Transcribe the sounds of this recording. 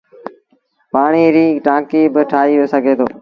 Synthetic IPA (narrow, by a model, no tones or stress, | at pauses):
paːɳiːɾiːʈãːkiːbɪʈʰaːiːʋoːsəɡʱeːt̪ʰo̰ː